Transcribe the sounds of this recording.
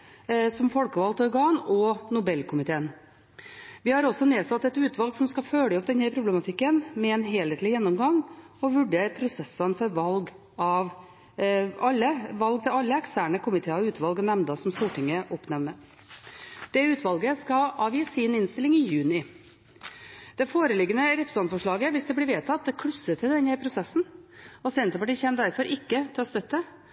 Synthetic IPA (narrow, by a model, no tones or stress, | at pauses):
sɔmfɔlkəʋɑlt̪ɔɾɡɑːnɔnʊbɛlːkʰʊmɪt̪ʰeːən | ʋɪhɑɾɔsːɔneːsɑt̪ːɛt̪ʉːt̪ʰʋɑlɡsɔmskɑføːɽəɔp̚d̪ɛnhæɾpʰɾʊblɛmɑt̪ʰɪkːənmɛɛːnɦeːleːt̪lɪjɛnːɔmɡɑŋ | ɔʋʉɖeːɾpʰɾʊsɛsːənfɔɾʋɑlɡ | ɑʋ | ɑlːəʋɑlɡ̚t̪ʰɪlɑlːəɛkst̪æːɳəkʰʊmɪt̪ʰeːɔʉːt̪ʰʋɑlɡɔnɛmnd̪ɑsɔmst̪uːʈɪŋːəʔɔpnɛʋnə | d̪̥ɛʉːt̪ʰʋɑlɡəskɑɑːʋjiːsɪnɪnst̪ɪlɪŋɪjʉːnɪ | d̪̥ɛfoːɾəlɪɡːənəɾɛpɾə̥sɑnfɔʂɭɑːɡəʋɪsd̪ɛblɪɾʋeːt̪ʰɑt̪̚ːd̪ɛkʰɽʉsːət̪ʰɪld̪ɛnəpʰɾʊsɛsːn̩ɔsɛnt̪əpɑʈiːçɛːmd̪æɾfɔɾʔɪkːət̪ʰɪlɔst̪œt̪ːə